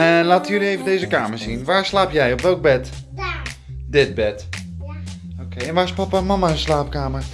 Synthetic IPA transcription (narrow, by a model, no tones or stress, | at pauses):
əlaːtəjøliejvəndejzəkaːməɹszinʋaːɹslaːpjɛjɔpʋɛlˠɡ̚bɛt | dɪt̚bɛt | okejɛnʋaːɪspapamamaslaːpkaːmər